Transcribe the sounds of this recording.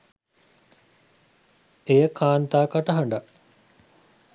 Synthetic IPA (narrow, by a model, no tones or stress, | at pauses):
ejəkʰaːnt̪aːkaʈəɦɐɳɖa